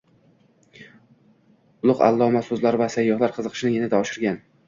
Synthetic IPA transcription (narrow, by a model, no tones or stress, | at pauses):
ʊlˠʊqa̰lˠːɒmasɵzlaɾvasajːɒχlaɾqʰɨzɨqʰɨ̥ʃɪnɪjɪnɪd̪aɒʃɪɾɡʲan